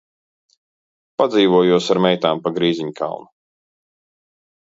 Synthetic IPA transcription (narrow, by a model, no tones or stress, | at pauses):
pad̪ziːvuɔjuɔsaɾmʲɛjt̪aːmpaɡɾiːziɲkʰa̰lˠnu